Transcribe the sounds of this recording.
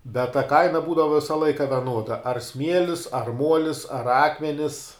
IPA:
bʲɛt tɐ ˈkɐɪnɐ ˈbuːdɐʋɐ ˈʋʲɪsɐ ˈlˠɐɪkɐ ʋʲɛˈnuɔdɐ ɐr ˈsʲmʲiɛlʲɪs ɐr ˈmuɔlʲɪs ɐr ˈɑːkmʲɛnʲɪs

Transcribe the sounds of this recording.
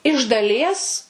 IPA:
ɪʃ dɐˈlʲiɛs

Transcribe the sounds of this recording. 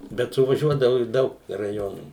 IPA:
bʲɛt sʊʋɐˈʒʲuɔdɐʋʊ ɪʃ ˈdɐʊk rɐˈjoːnuː

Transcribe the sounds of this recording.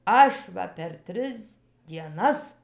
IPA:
ˈɐʃ ʋɐ pʲɛr ˈtʲrʲɪs dʲiɛˈnɐs

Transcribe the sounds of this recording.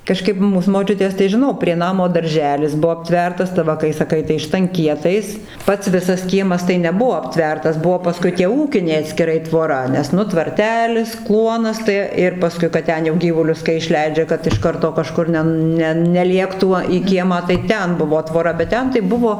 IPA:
kɐˈʃkɐɪp ˈmuːs moːˈt͡ʃʲʊtʲeːs tɐɪ ʒʲɪˈnɐʊ pʲrʲiɛ ˈnɑːmoː dɐrʲˈʒʲæːlʲɪs ˈbuɔ ɐpʲˈtʲʋʲɛrtɐs tɐɪ ˈʋɐ kɐɪ sɐˈkɐɪ tɐɪ ʃtɐŋʲˈkʲiɛtɐɪs ˈpɐts ˈʋʲɪsɐs ˈkʲiɛmɐs tɐɪ nʲɛˈbuɔ ɐpʲˈtʲʋʲɛrtɐs ˈbuɔ pɐˈskʊɪ tʲiɛ ˈuːkʲɪnʲɛɪ ɐtʲsʲkʲɪˈrɐɪ tʋoːˈrɐ nʲɛs ˈnʊ tʋɐrʲˈtʲæːlʲɪs ˈklˠuɔnɐs tɐɪ ˈɪr pɐˈskʊɪ kɐt ˈtʲɛn jɛʊ ˈɡʲiːʋʊlʲʊs kɐɪ ɪʃʲˈlʲɛɪd͡ʒʲɛ kɐt ɪʃ ˈkɐrtoː kɐˈʃkʊr nʲɛ ˈnʲɛn ˈnʲɛ nʲɛˈlʲiɛktuː iː ˈkʲiɛmɑː tɐɪ ˈtʲɛn ˈbʊʋoː ˈtʋoːrɐ bʲɛt ˈtʲɛn tɐɪ ˈbʊʋoː

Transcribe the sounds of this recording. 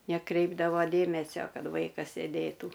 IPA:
nʲɛˈkrʲɛɪbdɐʋoː ˈdʲeːmʲɛsʲoː ˈkɐt ˈʋɐɪkɐs sʲeːˈdʲeːtuː

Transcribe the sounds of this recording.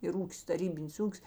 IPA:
ɪr ˈuːkʲɪs tɐˈrʲiːbʲɪnʲɪs ˈuːkʲɪs

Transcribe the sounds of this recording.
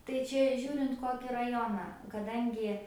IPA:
tɐɪ ˈt͡ʃʲɛ ˈʒʲuːrʲɪnt ˈkoːkʲɪ rɐˈjoːnɑː kɐˈdɐŋʲɡʲɪ

